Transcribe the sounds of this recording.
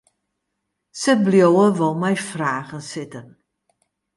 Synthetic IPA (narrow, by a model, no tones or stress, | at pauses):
səbljowəvəlˠmɛjfraːχənsɪtən